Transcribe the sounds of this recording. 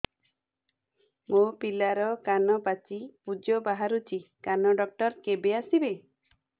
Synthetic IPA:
mopilaɾɔkanɔpat͡ʃipud͡ʒɔbaɦaɾut͡ʃʰikanɔɖɔk̚ʈɔɾkebeasibe

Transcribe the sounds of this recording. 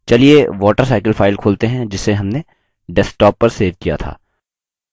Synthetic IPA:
t͡ʃɐlieʋɔːʈəɾsaːɪkəlfaːɪlkʰoːlt̪eɦɛ̃d͡ʒɪsːeɦɐmne | ɖɛsʈɔːpːɐɾseːʋkija̰t̪ʰa̰ː

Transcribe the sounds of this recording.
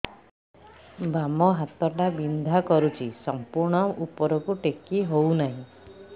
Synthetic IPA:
bamɔɦat̪ɔʈabind̪ʱakɔɾut͡ʃʰisɔmpuɾɳ̃ɔupɔɾɔkuʈekiɦownaɦĩ

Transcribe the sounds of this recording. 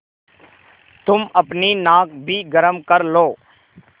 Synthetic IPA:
t̪ʊməpniːnãːk̚bʱiːɡəɾəmkəɾloː

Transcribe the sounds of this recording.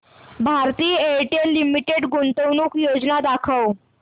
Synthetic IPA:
bʱaɾt̪iːjəeʈelːimiʈeɽɡuɳt̪əwnuːkjod͡znad̪akʰəw

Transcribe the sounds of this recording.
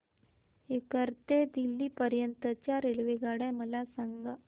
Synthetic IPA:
ekəɾt̪ed̪ilːiːpəɾjənt̪ət͡ɕjaɾelʋeɡaɽaməlasaŋɡa

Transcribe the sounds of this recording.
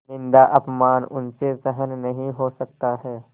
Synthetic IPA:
nɪ̃nd̪aʔɐpmaːnʊnsesɛɦənnɐɦĩɦosɐk̚t̪aɦɛː

